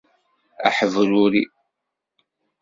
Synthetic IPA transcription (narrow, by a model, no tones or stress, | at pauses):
a̰ħəvɾuɾi